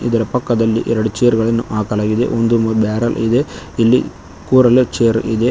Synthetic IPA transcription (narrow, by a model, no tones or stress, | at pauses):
id̪ɐɾɐpɐkːɐd̪ɐlːḭʔɛɾɐɽut͡ʃeːɐɾɡɐɭɐnːuʔaːkɐlaːɡid̪ḛʔond̪umɐbaːɾɐlid̪e̞ilːḭ | kuːɾɐlet͡ʃeːɾḭd̪e